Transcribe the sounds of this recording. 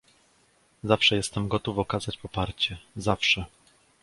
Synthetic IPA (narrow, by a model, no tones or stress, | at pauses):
zafʂɛjɛst̪ɛmɡɔt̪ufɔkazat͡ɕpɔpaɾt͡ɕɛzafʂɛ